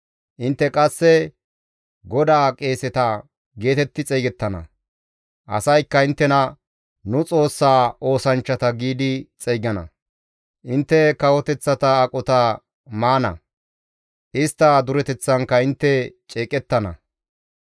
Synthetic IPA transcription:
ʔɪnt̪ːɛkʼɐsːɛ | ɡɔd̪aːkʼe̞ːsɛt̪ɐ | ɡe̞ːt̪ɛt̪ːɪt͡sʼɛjɡɛt̪ːɐnɐ̰ | ʔɐ̰sɐjkːɐɪnt̪ːɛnɐ | nʊt͡sʼo̞ːsːaːo̞ːsɐnt͡ʃːɐt̪ɐɡiːd̪ɪt͡sʼɛjɡɐnɐ̰ | ʔɪnt̪ːɛkɐwɔt̪ɛt͡sːɐt̪ɐːkʼɔt̪ɐ | maːnɐ̰ | ʔɪst̪ːɐd̪ʊɾɛt̪ɛt͡sːɐŋkːɐɪnt̪ːɛt͡ʃʼeːkʼɛt̪ːɐnɐ̰

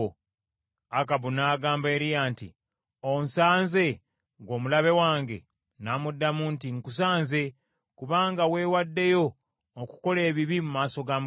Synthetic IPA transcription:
akaβunaːɡaːmbe̞ːɾijaːntḭ | onsaːnze̞ | ɡwo̞ːmulaβe̞waːŋɡe̞̰ | naːmudːamuːntiŋkus̬aːnze̞ | kuβaːŋɡawe̞ːwadːe̞jo̞ː | ku̥ko̞le̞ːβiβimumaːso̞ɡaːm

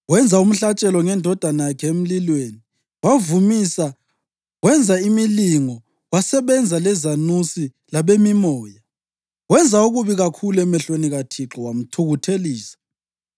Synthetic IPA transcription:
wɛnd͡zʱaum̩ɬat͡ʃʼɛlɔŋɛndʱɔd̥ʱanajakʰɛem̩lilweːni | wavumisa | wɛnd͡zʱaimiliŋɔ | wasɛβɛnd͡zʱalɛzanusi | laβemimɔːja | wɛnd͡zʱauɣuβiɣakʰuluɛmɛɬweniɣatʰiǁɔwam̩tʰuɣutʰeliːsḁ

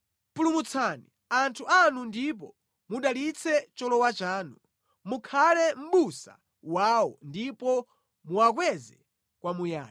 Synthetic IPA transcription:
pulumut͡sʰani | antʰuanundip̬ɔ | muɗalit͡sʰɛt͡ʃɔlɔwat͡ʃaːnu | mukʰalɛm̩ɓusa̰ | waːwɔndipɔ | muak̬wɛzɛ | kwamuja̰ːji

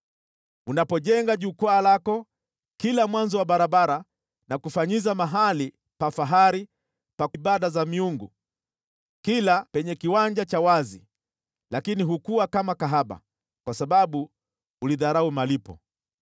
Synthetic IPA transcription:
unapɔʄɛŋɡaʄukaːlakɔ | kilamwanzɔwaɓaɾaɓaɾa | nakufaɲizamaɦali | pafaɦaɾi | paɓaɗazamiuŋɡṵ | kilapɛɲɛkiwand͡ʒat͡ʃawazi | lakiniɦukuwakamakaɦaɓa̰ | kwasaɓaɓu | uliðaɾaumalipɔ̰

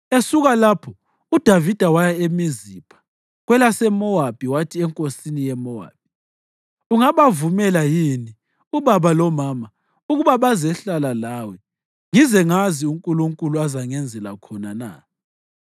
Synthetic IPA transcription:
esuɣalapʰɔ | ud̥ʱavid̥ʱawajaemizipʰḁ | ɣwɛlasɛmɔab̥ʱiwatʰiɛŋkʼosinijɛmɔa̰ːb̥̚i | uŋaβavumɛlajini | uβaβalɔmama | uɣuβaβazɛɬalalawɛ | ŋizɛŋaziuŋkʼuluŋkʼuluazaŋɛnd͡zʱɛla̰kʰɔnana̰

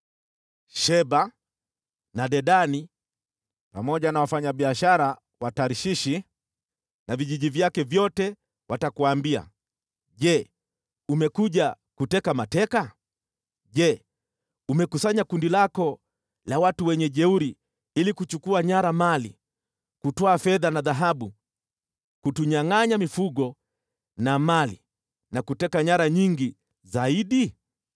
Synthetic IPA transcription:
ʃɛba | naɗɛɗani | pamɔʄanawafaɲaɓiaʃaɾa | wataɾiʃiʃi | naviʄiʄivjakɛvjɔtɛ | watakuaːmbia̰ | ʄɛ | umɛkuʄa | kutɛkamatɛka | ʄɛ | umɛkusaɲakundilakɔ | lawatuwɛɲɛʄɛuɾi | ilikut͡ʃukuaɲaɾamali | kutɔafɛðanaðaɦaɓu | kutuɲaŋaɲamifuɠɔ | namalḭ | nakutɛkaɲaɾaɲiŋɡi | zaiɗi

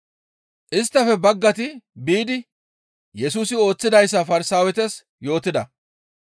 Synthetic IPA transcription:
ʔɪst̪ːɐfɛbɐɡːɐt̪̬ɪbiːd̪ɪ | jɛsuːsɪo̞ːt͡sːɪd̪ɐjsːɐfɐɾɪsaːwɛt̪ɛs | jo̞ːt̪ɪd̪ɐ

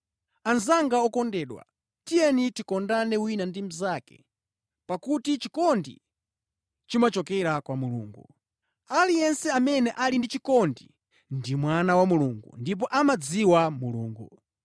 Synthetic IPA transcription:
anzaŋɡaɔkɔndɛːɗwa̰ | tijɛnitikɔndanɛwinandim̩zakɛ̰ | pakutit͡ʃikɔndḭ | t͡ʃimat͡ʃɔkɛɾakwamulṵːŋɡu | alijɛnsɛamɛnɛʔalindit͡ʃikɔndi | ndimwanawamuluŋɡṵndip̬ɔʔamad͡ziwamuluːŋɡu

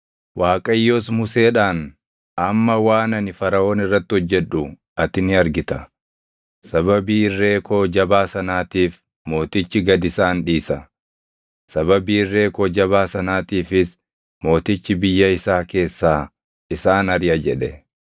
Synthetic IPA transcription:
wʔaːkʼɐjːo̞ːsmʊse̞ːᶑaːn | ɐmːɐwaːnɐnɪfɐɾɐo̞ːnɪrːɐt̪ːɪhɔd͡ʒːɛᶑʊ | ɐt̪ɪnɪɐɾɡɪt̪ɐ | sɐβɐbiːrːe̞ːko̞ːd͡ʒɐbaːsɐnaːt̪iːf | mo̞ːt̪ɪt͡ʃːɪɡɐd̪ɪsaːnᶑiːsɐ | sɐβɐbiːrːe̞ːko̞ːd͡ʒɐβaːsɐnaːt̪iːfɪs | mo̞ːt̪ɪt͡ʃːɪbɪjːɐɪsaːke̞ːsːaː | ɪsaːnɐɾɪjɐd͡ʒɛᶑɛ

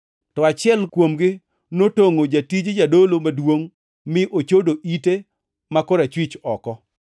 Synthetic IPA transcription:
tɔat͡ʃɪɛlkwomɡɪ | notoŋod͡ʒatid͡ʒd͡ʒadolomadwoŋ | mɪʔot͡ʃodoʔite | makoɾat͡ʃwit͡ʃɔkɔ

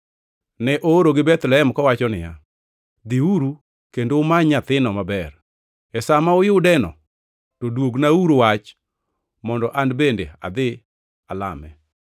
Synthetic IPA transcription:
nɛʔooɾoɡɪbɛt̪lɛɦɛmkɔwat͡ʃɔnɪja | d̪ɪuɾu | kendoːmaɲat̪ɪnɔmabɛɾ | ɛsamaʊjʊdɛnɔ̰ | todwoɡnauɾowat͡ʃ | mɔndɔʔanbendḛa̰d̪ɪ | ala̰mɛ

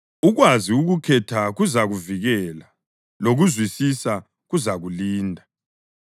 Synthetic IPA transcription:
uɣwaziuɣukʰɛtʰaɣuzaɣuviɣɛːla | loɣuzwisisa | ɣuzaɣuliːndʱa

